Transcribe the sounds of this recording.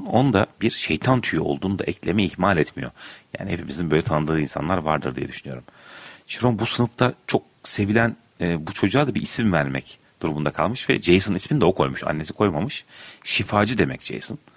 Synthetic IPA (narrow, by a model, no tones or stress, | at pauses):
nond̪abiɾʃejt̪ʰant̪ʰyjyo̞̰lˠd̪uːnud̪a̰ʔɛclʲemɛihmalʲɛt̪mijo̰ja̰ːnihepʰimizinbøjlʲɛt̪ʰanɯd̪ɯːinsa̰nlˠaɾva̰ɾd̪ɯ̰ɾd̪ijɛ̰d̪yʃynyjo̞̰ɾumt͡ʃʰiɾonbusɯnɯft̪ʰat͡ʃʰo̞k̚se̞vilʲænː | but͡ʃʰo̞d͡ʒuaːd̪abiʔisimvæɾmɛ̰c | d̪̥uɾumund̪akʰalˠmɯʃvɛ̰d͡ʒejsɯnisminid̪ɛo̞kʰo̞jmuʃa̰nːe̞si̥kʰo̞jmamɯʃʃifaːd͡ʒɯd̪e̞mɛ̰cd͡ʒḛjsɯn